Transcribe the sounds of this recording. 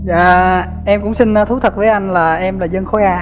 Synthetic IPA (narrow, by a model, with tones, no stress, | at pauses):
za̰ː˧˨ | ʔɛ˧mkʊ̰˧˥ŋ͡msï˧n̟ː˧˦t̪ʰu˨˦t̪ʰə˨˩t̚vəː˨˦jʔa˧jŋ̟laː˨˩ʔɛ˧mlaː˨˩zə˧ŋxo˨˦jʔaː˧